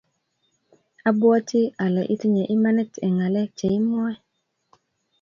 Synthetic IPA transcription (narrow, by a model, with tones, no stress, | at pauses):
a˦bwɔ˦ti˦a˨lɛ˨ʔi˦ti˦ɲɛ˨ʔi˦ma˦nɛ˦tɛ˨ŋa˨lɛ˦t͡ʃɛ˨i˦mɔ˦ɛ˦